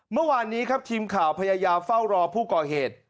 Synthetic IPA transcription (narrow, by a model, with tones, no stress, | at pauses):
mɯ˥˩əwaː˧nːiː˦˥kʰa˦˥p̚t̪ʰiː˧mkʰaː˩˦wpʰa˧jaː˧jaː˧mfa˥˩wɾɔː˧pʰuː˥˩kɔː˨˩heː˨˩t̪̚